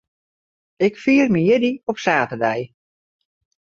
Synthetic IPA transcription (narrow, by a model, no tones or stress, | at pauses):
ɪkfiːərmijɪdiɔpsaːtədɛj